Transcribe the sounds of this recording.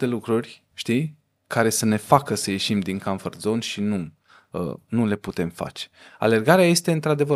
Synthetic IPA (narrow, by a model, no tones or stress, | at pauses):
t̪e̞lukɾurʲ | ʃt̪i | kʰaɾe̞səne̞fakəsəje̞ʃimd̪iŋkanfərd̪zo̞nʃinu | ə̰nule̞put̪e̞mfa̰t͡ʃe̥a̰le̞rɡaɾeaje̞st̪eɨnt̪ɾad̪e̞və